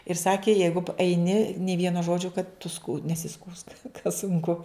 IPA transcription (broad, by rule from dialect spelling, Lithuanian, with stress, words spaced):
ɪr ˈsɑːkʲeː ˈjɛɪɡʊ p ɛɪˈnʲɪ nʲeː ˈʋʲiɛnoː ˈʒoːd͡ʒʲoː kɐt tʊ skʊ nʲɛsʲɪˈskuːsk kɐ sʊŋˈkʊ